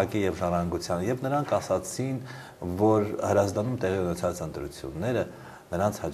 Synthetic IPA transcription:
ɑkijɛvʒɑɾɑŋɡut͡sʰjɑnjɛvnəɾɑŋkʰɑsɑt͡sʰin | vɔɾhəɾɑzd̪ɑnumt̪ɛʁiunɛt͡sʰɑt͡sənt̪ɾṵt͡sʰjṵnːɛɾə | nəɾɑnt͡sʰhɑ

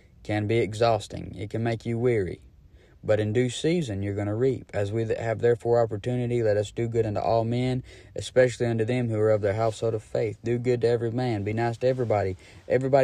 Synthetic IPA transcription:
kʰɨ̃nbiɨɡzɔstɪ̰̃ŋɪ̰t̚kʰɨ̃n̩meɪkʰjɨwɪɹḭ | bʌɾɨ̃ndʉsizɨ̃njə˞ɡʌñəɹipɨzwiɨvðɛɹfɔɹɑpə˞tʰʉnɨɾilɛɾʌsd̥ɨɡʊɾʌ̃ntṵʔɔlˠmɛ̃n | ʔɨspɛʃl̩ˠiʌ̃ntʉðɨ̃mhuə˞ʌvðə˞ɦɛlˠfshoʊlˠɾʌv̥feɪθd̥ɨɡʊd̚tɨɛvɹimæ̃nbinaɪstʰɨɛvɹibɑɾi | ʔɛvɹibɑ

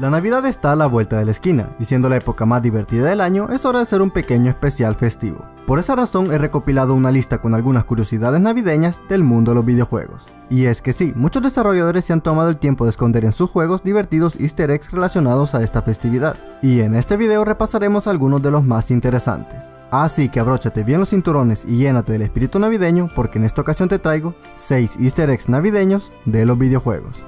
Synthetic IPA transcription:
lanaβiðaðe̞st̪aːlaβwe̞lt̪aðe̞laeskina̰isjend̪o̞laepo̞kamazðiβe̞ɾt̪iðaðe̞laɲo̞ʔe̞so̞ɾaðese̞ɾumpe̞keɲoe̞spe̞sjalfe̞st̪ḭβo̞̰po̞ɾe̞saraso̞ŋe̞re̞ko̞pilað̞o̞unalist̪ako̞nalɣunaskuɾjo̞siðað̞e̞znaβiðe̞ɲazd̪e̞lmũnd̪olo̞zβiðeo̞xwe̞̰ɣo̞̰s | ie̞ske̞simut͡ʃo̞zdðe̞saro̞ʝaðo̞ɾesːeant̪o̞mað̞oelt̪je̞mpo̞ðesko̞nd̪e̞ɾe̞nsusxwe̞ɣo̞zd̪iβe̞ɾt̪iðo̞sḭst̪eɾeksre̞lasjo̞nað̞o̞sae̞st̪afest̪iβiðað | iene̞st̪e̞βið̞e̞o̞re̞pasaɾe̞mo̞salɣuno̞zðe̞lo̞zmasint̪e̞ɾe̞sa̰nt̪e̞̥s | asike̞aβɾo̞t͡ʃat̪e̞βje̞nlo̞sint̪uɾo̞ne̞siʝe̞nat̪e̞ðelespiɾit̪unaβiðe̞ɲo̞po̞ɾke̞ene̞st̪aokasjont̪et̪ɾajɣo̞ | se̞jsist̪eɾeksnaβiðe̞ɲo̞s | d̪e̞lo̞zβiðeo̞xwe̞̰ɣo̞̰s

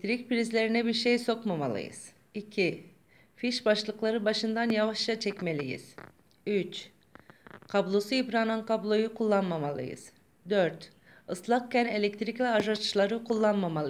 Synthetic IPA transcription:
t̪ɾic̚piɾizlʲe̞ɾinɛbiɾʃejso̞kmama̰lˠɯ̰jɯ̰z̥ | icʰi | fiʃbaʃlˠɯklˠaɾɯbaʃɯnd̪anjavaʃat͡ʃʰɛcme̞lʲijḭz̥ | yt͡ʃ | kʰablˠo̞suibɾaːnankʰablˠo̞jukʰulˠːanmamalˠɯ̰jɯ̰z̥ | d̪øɾt̪ | ɯslˠak̚cʰæne̞lʲɛc̚t̪ɾicvʲɛaʒat͡ʃlˠaɾɯkʰulˠːanmamalˠɯ

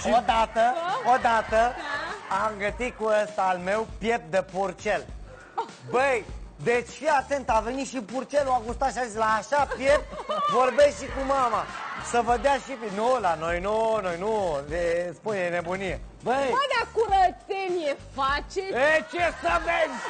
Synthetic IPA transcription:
ʃiod̪at̪əod̪at̪ə | amɡət̪it̪̚kuəst̪aːlme̞wpje̞p̚d̪epurt͡ʃe̞l | bəjd̪et͡ʃʲfiat̪e̞nt̪ave̞niʃipurt͡ʃeluaɡust̪at̪ʃiazisʲlaːʃapje̞pvo̞rbe̞sʃikumamasəvəd̪eaʃipnulano̞jnuno̞jnuespunene̞bunije | bəwad̪akuɾət̪seniefat͡ʃeet͡ʃesəvenʲ

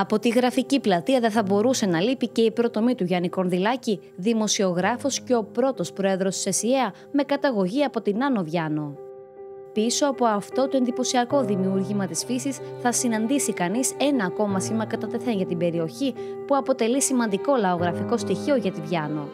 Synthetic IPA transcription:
ɐpo̞t̪iɣɾɐficiplɐt̪iɐðeθɐbo̞ɾuse̞nɐlipice̞ipɾo̞t̪o̞mit̪uʝɐniko̞nðilɐci | ðimo̞sio̞ɣɾɐfo̞sce̞o̞pɾo̞t̪o̞spɾo̞e̞ðɾo̞sse̞sieɐ | me̞kɐt̪ɐɣo̞ʝiɐpo̞t̪inɐno̞vʝɐno̞ | piso̞ɐpo̞ɐft̪o̞t̪oend̪ipo̞siɐko̞ðimiuɾʝimɐt̪isfisisθɐsinɐnd̪isikɐnise̞nɐːko̞mɐsimɐkɐt̪ɐt̪e̞θe̞nʝɐt̪ibe̞ɾio̞çi | puɐpo̞t̪e̞lisimɐnd̪iko̞lɐoɣɾɐfiko̞st̪içio̞ʝɐt̪ivʝɐno̞

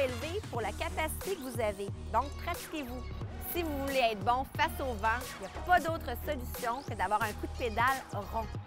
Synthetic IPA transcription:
elvepuʁlakʲapasi̥t̪ekəvuzaved̪ɔ̃k̚pχat̪i̥kʲevu | sivuvuleɛːt̪χbɔ̃fasovɑ̃iljapad̪ot̪χəsɔlysjɔ̃kəd̪avwaːʁɛ̃kud̪əped̪alʁɔ̃

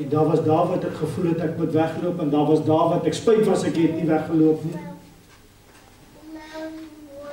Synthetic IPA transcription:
ɛndɑːrvɐsdɑːrvɐtɛkχəfulɦətɛkmutvæχəluəpɛndɑːvɐsdɑːrvɐtɛkspəjtvɐsɛkɦɛtnivæχəluəpni

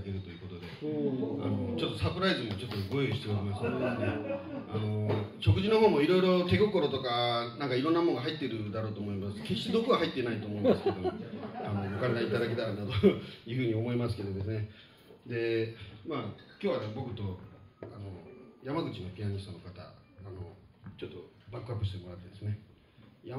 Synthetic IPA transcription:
keɾɯ̟t̪o̞jɯ̟ko̞t̪o̞d̪e̞a̰no̞t͡ɕo̞t̪ːo̞sapɯ̟ɾaizɨmot͡ɕo̞t̪ːoɡojoiɕit̪e̞oɾʲimasɨod̪esɨneano̞ɕo̞kɯ̟ʑino̞ɦo̞ːmo̞iɾo̞iɾo̞t̪e̞ɡo̞ko̞ɾo̞t̪o̞kanãŋkaiɾõnːamõ̞ŋɡaɦait̪ːe̞ɾɯ̟d̪aɾoːt̪oːmo̞imasɨ̥ke̞ɕi̥t̪e̞d̪o̞kɯβaɦait̪ːenait̪o̞ːmo̞immasɨ̥kd̪o̞ano̞okãŋɡaiit̪ad̪ak̬e̞t̪aɾand̪at̪ojɯ̟ːɸɯ̟ɲ̟io̞mo̞imas̬ɨ̥ke̞d̪o̞d̪e̞s̬ɨne̞ | d̪e̞maːkʲoːβad̪bo̞kɯ̟t̪o̞ano̞jamaɡɯ̟t͡ɕino̞pʲiaɲ̟ist̪onːokat̪a̰ː | no̰ | t͡ɕo̞t̪ːo̞ | bakːɯ̟apːɯ̟ɕi̥t̪e̞mo̞ɾat̪ːe̞d̪esɨne̞ | ja

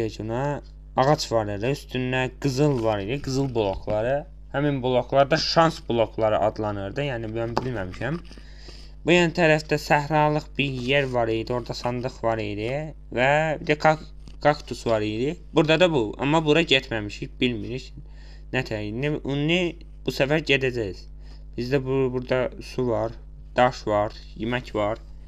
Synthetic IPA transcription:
ecunɑ | ɑʁɑt͡ʃʰvɑɾɯɾd̪ɯyst̪ynːæɡɯzɯlˠvɑɾid̪iɡɯzɯlˠbulˠo̞kʰlˠɑɾɯ | hæminbulˠo̞klˠɑɾd̪ɑʃɑnsbulˠo̞kʰlˠɑɾɯ̰ʔɑd̪lˠɑnɯɾd̪ɯjæːnibujæmbilmæmiʃæm | bujɑnt̪ʰæɾæfd̪æsæhɾɑlˠɯχbiɾjeɾvɑɾijd̪io̞ɾd̪ɑsɑnd̪ɯχvɑɾijd̪i | væbid̪ækʰɑ | kʰɑkt̪ʰusvɑɾijd̪ib̥uɾd̪ɑd̪ɑbuɑ̰mːɑbuɾɑɟet̪ʰmæmiʃicbilmiɾic | næt̪ʰæjiniʔunːi | b̥usæfæɾɟed̪æd͡ʒæjiz̥ | b̥izd̪æbubuɾd̪ɑsuvɑɾ | d̪̥ɑʃvɑɾ | jimæcvɑɾ

